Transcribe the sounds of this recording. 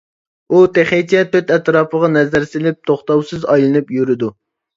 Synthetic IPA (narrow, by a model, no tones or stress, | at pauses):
ut̪eχet͡ʃʰɛt̪ʰøt̪ɛt̪ɾɑːpəʁɑnɛzæɾsɪlɪp̚t̪ʰoχt̪ɑwsɨzɑjlˠɨnɨpjyɾɪd̪u